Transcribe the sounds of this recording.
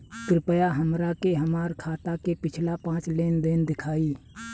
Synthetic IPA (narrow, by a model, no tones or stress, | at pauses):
k̪ɾɪpəjaɦəmɾakeɦəmaːɾkʰaːt̪akepɪt͡ʃʰlapãːt͡ʃleːnd̪ɪnd̪ɪkʰaːi